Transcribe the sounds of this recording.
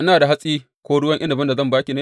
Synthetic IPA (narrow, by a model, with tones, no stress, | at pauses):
ʔɪ˦naː˨da˨ɦa˦sʼiː˦ | kʷoː˦ɽʊ˦wɐ˦ŋʔɪ˦nɐ˨bɪ˦nda˨zɐ˦˨mbaː˦kʲi˨ne˦